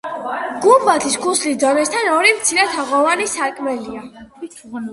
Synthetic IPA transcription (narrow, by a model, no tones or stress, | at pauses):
ɡ̥uvat̪ʰiskʰuslisd̪ɔnɛst̪ʰanɔɾimt̪sʰiɾɛt̪ʰaʁɔvanisaɾkʼmɛlia